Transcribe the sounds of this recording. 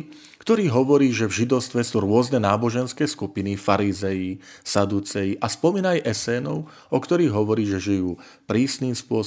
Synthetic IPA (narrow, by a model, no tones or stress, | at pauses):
kt̪ɔɾiːɦɔʋɔɾiːʒɛvʒid̪ɔʊst̪ʋɛsuːɾʊɔznɛnaːbɔʒɛnskɛːskupinifaɾizɛjisad̪ut͡sɛjiʔaspɔmiːnajʔɛsɛːnɔʊ | ɔkt̪ɔɾiːɣɦɔʋɔɾiːʒɛʒijuː | pɾiːsniːmspʊɔ